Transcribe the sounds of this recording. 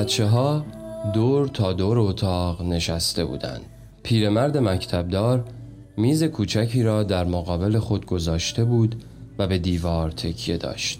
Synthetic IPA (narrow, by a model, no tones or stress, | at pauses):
bæt̪t͡ʃʰːe̞ɦɒːd̪oːɾt̪ʰɒːd̪oːɾeot̪ʰɒːʁne̞ʃæst̪e̞bṵːd̪æ̰nd̪̥̚ | pʰiːɾe̞mæɾd̪e̞mæcʰt̪ʰæb̚d̪ɒːɾ | miːze̞kʰuːt͡ʃʰæcʰiːɾɒːd̪æɾmoɣɒːbe̞lexo̞d̪ɡo̞zɒːʃt̪e̞buːd̪ | væbe̞d̪iːvɒːɾt̪ʰe̞cʰje̞d̪ɒ̰ːʃt̪